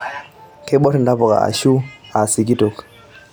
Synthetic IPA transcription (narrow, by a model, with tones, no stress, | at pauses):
kɛ˦ɓɔ˦tɛ˨nda˦pɔ˨ka̰˨a̰˨ʃu˦a˨si˨ki˦tɔ˨k